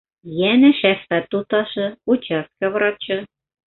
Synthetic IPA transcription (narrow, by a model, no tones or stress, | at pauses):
jænɘ̆ʃæst̪æt̪ːut̪ɑʃɤ̆ut͡ɕɑst̪̚kɑvrɑt͡ɕɤ̆